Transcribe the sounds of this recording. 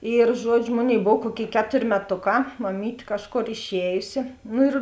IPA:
ɪr ˈʒuɔd͡ʒʲʊ ˈmoːˌnʲeːɪ ˈboːw ˈkuɔˌkʲeːɪ ˈkʲæːtoːrʲ mʲɛˈtoːˌkɑː mɐˈmʲiːtʲ ˈkɑːʃˌkoːr ɪʃʲˈɛːjʊsʲɪ ˈnʊ ɪr

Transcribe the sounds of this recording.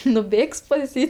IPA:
nʊˈbʲeːks pɐs ˈjiː

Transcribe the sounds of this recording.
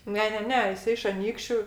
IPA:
ˈnʲɛ ˈnʲɛ ˈnʲɛ jɪˈsɐɪ ɪʃ ɐˈnʲiːkʃʲt͡ʃʲʊ

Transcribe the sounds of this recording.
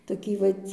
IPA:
toːˈkʲiː ˈʋɐtʲ

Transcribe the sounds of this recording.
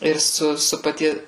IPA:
ɪr ˈsʊ ˈsʊ pɐˈtʲiɛ

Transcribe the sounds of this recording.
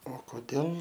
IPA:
oː koːˈdʲeːlˠ

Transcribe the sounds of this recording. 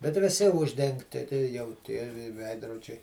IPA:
bʲɛt ʋʲɪˈsʲɪ ˈʊʒʲdʲɛŋktʲɪ jɛʊ ˈtʲiɛ ʋʲɪ ˈʋʲɛɪdroːd͡ʒʲɛɪ

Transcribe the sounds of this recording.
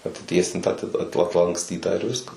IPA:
ɐtʲɪˈtʲiɛsʲɪntɑː ɐtʲɪ ɐt ɐtlˠɐŋksʲˈtʲiːtɑː ɪr ˈʋʲɪskɐs

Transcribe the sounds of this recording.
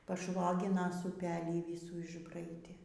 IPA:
pɐˈʃʋoːɡʲɪnɐs ʊˈpʲæːlʲiː ˈʋʲɪsuː ɪʒˈbrɐɪdʲeː

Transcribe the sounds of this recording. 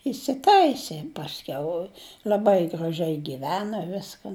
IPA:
ɪsʲɪˈtɐɪsʲeː pɐsʲˈkʲɛʊ lʲɐˈbɐɪ ɡrɐˈʒʲɛɪ ɡʲɪˈʋʲæːnɐ ˈʋʲɪskɐn

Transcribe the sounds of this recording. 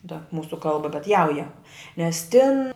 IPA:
tɐ ˈmuːsʊ ˈkɐlˠbɐ bʲɛt ˈjɛʊjɛ nʲɛs tʲɪn

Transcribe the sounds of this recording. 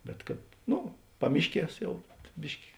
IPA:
bʲɛt kɐt ˈnʊ ˈpɑːmʲɪʃʲˌkʲiɛs ˈjɛʊ ˈbʲɪʃʲkʲɪ

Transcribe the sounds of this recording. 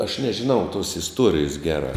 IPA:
ɐʃ nʲɛʒʲɪˈnɐʊ tuɔs ɪsˈtuɔrʲɪjʊs ˈɡʲæːˌrɑː

